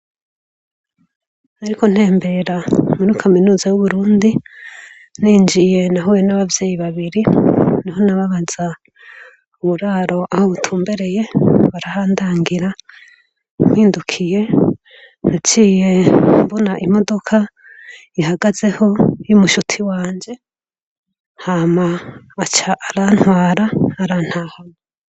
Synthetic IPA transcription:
naɾikon̥he̞ːmbe̞ɾamuɾukʰaminuːzajuβuɾuːndi | niːnd͡ʒije̞naɦowenaβavje̞ːjiβaβiɾiniɦo̞naβaβaz̥a | uβuɾaːɾo̞ʔahoβutʰuːmbe̞ɾe̞je̞βaɾahaːndaːŋɡiɾa | m̥wiːndukʰije̞ | nat͡ʃiːje̞mbonaʔimo̞do̞kʰa | ihaɡaze̞ho̞jumuʃutʰiwaːɲd͡ʒe̞ | haːmaːt͡ʃaʔːɾan̥hwaːɾaːɾaːn̥hahano

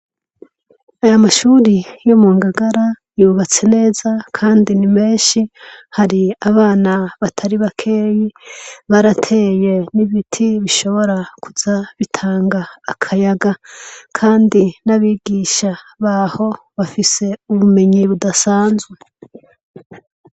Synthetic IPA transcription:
ajamaʃuːɾijomuːŋɡaɡaɾa | juːβat͡se̞ne̞ːzakʰaːndinime̞ːnʃihaɾiaβaːnaβatʰaɾiβakʰeːjiβaɾatʰe̞ːje̞niβitʰiβiʃo̞βo̞ɾakʰuzaβitʰaːŋɡaːkʰajaɡakʰaːndinaβiːɡiːʃa | βaho̞ | βafise̞uβume̞ɲiβudasaːnzwe̞

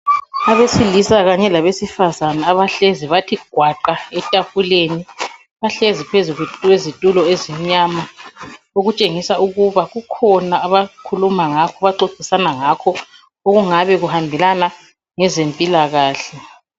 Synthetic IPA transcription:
aβesilisaɣaɲɛlaβesifazanaːβaɬeziβatʰiɡ̥ʱwaǃaɛtʼaɸuleni | βaɬezipʰezuwezitʼulɔezim̩ɲaːma | oɣut͡ʃʼeŋisauɣuβaɣukʰɔnaːβakʰulumaŋakʰɔβaǀoǀ̥ʱʼisanaŋakʰɔ | oɣuŋaβɛɣuhambʱɛlana | ŋɛzempʼilaɣaːɬɛ

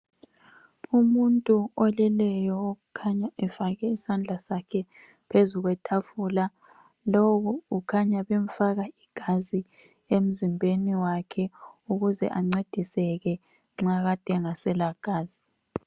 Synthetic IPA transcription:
umuntʼuɔlɛlɛjɔoɣukʰaɲaʔɛfaɣɛisand͡ɮʱasakʰɛ | pʰezuɣwɛtʰafula | loɣuukʰaɲaβem̩faɣaiɡ̥ʱazi | em̩zimbʱeniwakʰɛuɣuzɛ̰ʔaŋ͡ǀed̥ʱisɛɣɛ | ŋ͡ǁaɣad̥ʱɛŋasɛlaɡ̥ʱaːz̥i

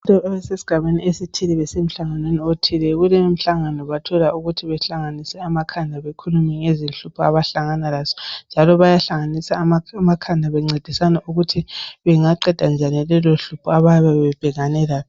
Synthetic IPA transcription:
tʼɔβɛsesi̥ɡ̥ʱaβeniesitʰilɛβɛsem̩ɬaŋanweniotʰilɛɣulem̩ɬaŋanɔβatʰɔlauɣutʰiβɛɬaŋanisɛamakʰandʱaβekʰulumɛŋezinɬupʰɔaβaɬaŋanalaːzɔ̥nd͡ʒʱalɔβajaɬaŋanisamamakʰandʱaβɛŋ͡ǀed̥ʱisanaʔuɣutʰiβɛŋaǃɛd̥ʱand͡ʒʱanilɛloɬupʰɔaβaaβaβɛb̥ʱɛɣanɛlaɔ

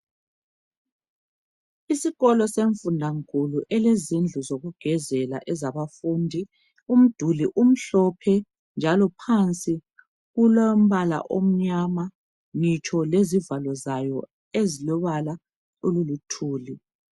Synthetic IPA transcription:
isiɣɔlɔseɱfundʱaŋkʰʼuluʔɛlezind͡ɮʱuzoɣuɡ̥ʱɛzɛla̰ʔɛzaβafuːndʱi | um̩d̥ʱuliʔum̩ɬɔpʰɛ | nd͡ʒʱalɔpʰant͡sʼi | ɣulom̩βala̰ʔom̩ɲama | ŋit͡ʃʰʼɔlezivalɔzajɔ | ezilɔβala | ululutʰuːli

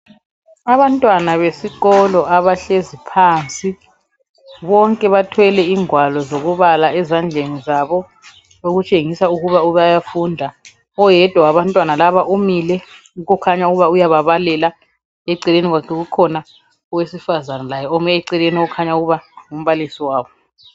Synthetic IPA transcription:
aβantʼwanaβesiɣɔlɔʔaβaɬezipʰaːnt͡sʼi | βɔŋkʼɛβatʰwɛlɛiŋwalɔzoɣuβalaɛzand͡ɮʱenizaβɔ | oɣut͡ʃʼeŋisauɣuβauβajafundʱa | ɔjɛd̥ʱawaβantʼwanalaβaʔumilɛ | uɣukʰaɲauɣuβaujaβaβalɛla | eǀileniɣwakʰɛɣukʰɔna | ɔwesifazanalajɛɔmɛɛǀileniɔkʰaɲauɣuβaŋum̩βalisiwaːβɔ

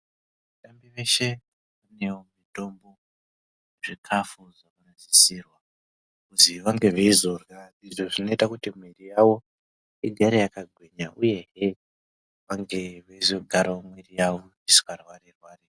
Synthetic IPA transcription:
atambiʋe̞ʃe | ʋane̞womito̞mbo̞ | neʐikʰafuʐakanaʃisirwa | kuziʋaŋɡe̞ʋeizo̞raiʐoʐino̞itakutimwerijawo̞ | iɡʱaɾejakaɡʱweɲauje̞ɦe | ʋaŋɡe̞ʋeizo̞ɡʱaɾaomwerijaʋo̞ | isi̥karwaɾerwaːre

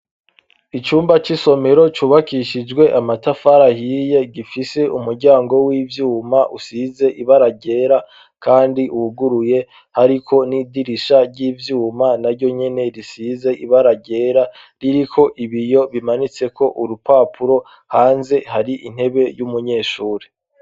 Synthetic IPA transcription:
it͡ʃuːmbat͡ʃiso̞me̞ɾo̞t͡ʃuːβakiʃid͡ʒɡwe̞ʔamatafaɾahije̞ɡifise̞ʔumuɾɟaːŋɡo̞wiːvjuːmaʔusize̞ʔiβaɾaɟe̞ːɾa | kaːndiʔuhuɡuɾuje̞ | haɾikʰo̞nidiɾiʃaɾɟiːvjuːmanaɾɟo̞ɲe̞ne̞ɾisize̞ʔiβaɾaɟe̞ːɾa | ɾiɾikʰo̞ʔiβijo̞βimanit͡se̞kʰo̞ʔuɾupaːpuɾo̞ | haːnze̞haɾiʔin̥e̞βe̞jumuɲe̞ːʃuːɾe

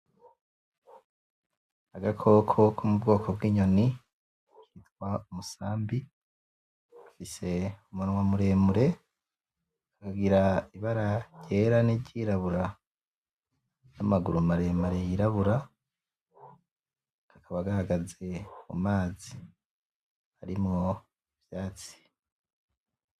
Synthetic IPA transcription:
aɡakʰo̞kʰo̞kʰumubɡo̞ːkʰo̞bwiːɲo̞ni | kitwaumusaːmbi | ḁfise̞umunwamuɾe̞ːmuɾe̞ | kakaɡiɾaiβaɾaɟe̞ːɾaneɟiːɾaβuɾa | jamaɡuɾumaɾe̞muɾe̞jiɾaβuɾa | kakaβaɡahaɡaze̞mṵmaːzi̥ | haɾimŋo̞ | iv̥jaːt͡si̥

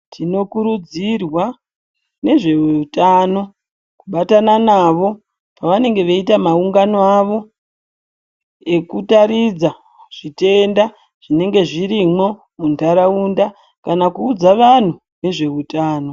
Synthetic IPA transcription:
tʰino̞kuɾud͡zirwa | ne̞ʐe̞utaːno̞ | kuɓatananaːʋo̞ | paʋane̞ŋɡe̞ʋeitamauŋɡanoaʋo̞ | e̞kutaɾid͡za | ʐ̥ite̞nda | ʐ̥ine̞ŋɡe̞ʐiɾimo̞ | mundʱaɾaunda | kanakuːd͡zaʋan̤u | ne̞ʐe̞utaːno̞

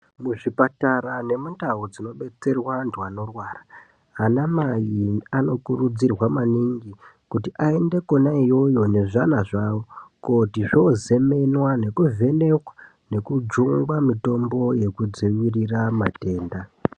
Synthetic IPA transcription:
muʐipataɾane̞mundaud͡zino̞ɓe̞t͡se̞rwantʰuano̞rwaːraː | namajiano̞kurud͡zirwamaniŋɡi | kutiʔae̞nde̞ko̞naijo̞jo̞ne̞ʐanaʐawo̞kotiʐooze̞me̞nwane̞kuvʱe̞ne̞kwḁ | ne̞kud͡ʒuŋɡwamito̞mbo̞je̞kud͡ziwiriramate̞ːnda

